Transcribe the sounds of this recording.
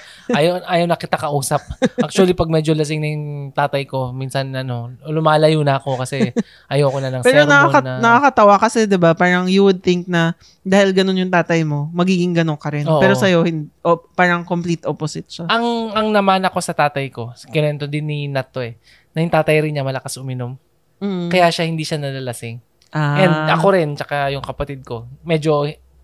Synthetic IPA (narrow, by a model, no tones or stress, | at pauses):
ajɐʔaːjɐwnɐkɪt̪akɐʔuːsɐp̚ʔak̚t͡ʃuɐlipɐɡ̚mɛd͡ʒolɐs̬ɪŋnɐjʊŋt̪aːt̪ɐjko̞minsɐnɐno̞lʊmaːlɐjunɐɐko̞kɐsɛ | ʔɐjɐwkonɐnɐŋpɛːɾonɐkaɐnɐnɐkakɐt̪ɐwakɐsɛd̪ɛbapaːɾɐŋjuwʊd̪̚θɪŋk̚nɐ | d̪aːhɪlɡɐno̞njʊŋt̪aːt̪ɐjmo̞mɐɡiːɡɪŋɡɐnoŋkɐɾɪnopɛːɾosɐjo̞hɪnd̪ʔopaːɾɐŋkomplit̪ʔoposɪt̪̚ʃaʔɐŋɐŋnɐmanɐko̞sɐt̪aːt̪ɐjko̞skɪnɛnt̪od̪ɪnːinat̪ːo̞ɛ | nɐjʊŋt̪aːt̪ɐjɾɪnɲamɐlɐkasʔʊmɪnom | m̩ːkɐjaʃahɪnd̪iːʃanɐlɐlɐsɪŋ | ʔaːʔɛnnd̪ɐko̞ɾɪnt͡ʃɐkajʊŋkɐpɐt̪ɪd̪̚ko̞mɛd͡ʒo̞